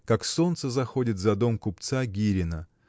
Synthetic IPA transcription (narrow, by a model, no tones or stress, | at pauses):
kakso̞nt̪səzɐxo̞dʲɪt̪zɐd̪o̞mkʊpt̪saɡʲiɾʲɪnə